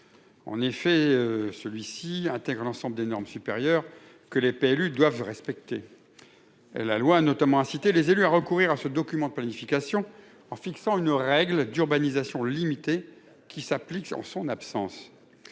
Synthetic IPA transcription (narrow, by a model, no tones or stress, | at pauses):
ɑ̰̃nefɛøsəlɥisiɛ̃t̪ɛɡʁəlɑ̃sɑ̃bləd̪enɔʁmsypḛʁjœʁ | kəlepeɛlyd̪wavʁɛspɛk̚t̪e | ɛ̰lːalwaːnɔt̪amɑ̃ɛ̃sit̪elezelyaʁəkuʁiʁasəd̪ɔkʲymɑ̃d̪əplanifikasjɔ̃ | ɑ̃fiksɑ̃ynʁɛɡld̪yʁbanizasjɔ̃limit̪e | kʲisaplikɑ̰̃sɔ̃napsɑ̃s